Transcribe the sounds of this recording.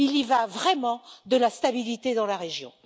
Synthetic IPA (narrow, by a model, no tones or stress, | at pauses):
ilivavʁɛmɑ̃d̪əlast̪abilit̪ed̪ɑ̃laʁeʒjɔ̰̃